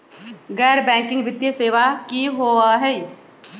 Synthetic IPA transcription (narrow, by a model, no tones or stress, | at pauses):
ɡɛːɾbɛ̃ːŋkɪ̃ŋɡbɪt̪jeseːʋakiɦoːaɦɛ